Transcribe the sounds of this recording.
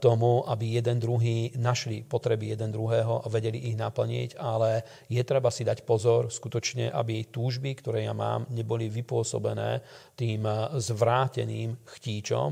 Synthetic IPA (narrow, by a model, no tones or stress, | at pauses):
t̪ɔmuʔabijɛd̪ɛnd̪ɾuɦiːnaʃlipɔt̪ɾɛbijɛd̪ɛnd̪ɾuɦɛːɦɔʔaʋɛɟɛliʔːɣnapl̩ɲḭɟalɛ | jɛt̪ɾɛbasid̪acpɔzɔɾskut̪ɔt͡ʃɲɛʔa̰bijɛjt̪uːʒbikt̪ɔɾɛːja̰ma̰ːmɲɛbɔliʋipʊɔsɔ̰bɛnɛ̰ːt̪iːmzʋɾaːcɛ̰niːmxciːt͡ʃɔ̰m